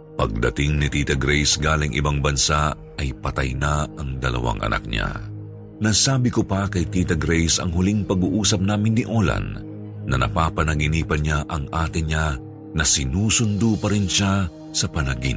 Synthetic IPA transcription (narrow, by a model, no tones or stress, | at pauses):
pɐɡ̚d̪ɐt̪ɪŋnɪt̪iːt̪ɐɡɾɛjsɡaːlɪŋʔɪ̰baŋbɐnsa | ɐjpɐt̪ɐjnaɐŋd̪ɐlɐ̰wa̰ŋʔɐ̰nʔa̰k̚ɲa̰ | nɐsaːbɪkopɐkɐjt̪iːt̪ɐɡɾɛjsɐ̰ŋɦʊliŋpɐɡuʔuːsɐp̚naːmɪnːɪʔolɐ̰nː | ɐnɐ̰papɐnɐɡɪniːpɐɲaʔɐŋʔaːt̪ɪɲa | nɐsɪnuːsʊnd̪upɐɾɪnʃa | sɐpɐnɐɡḭn